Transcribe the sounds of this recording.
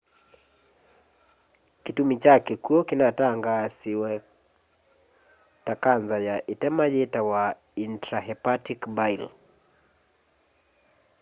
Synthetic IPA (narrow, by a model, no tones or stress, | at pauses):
kitumit͡ʃakɛkuɔkinataŋɡasiwɛ | takanzajaʔitɛmaʄɛtawa | intɾahɛpatikbajl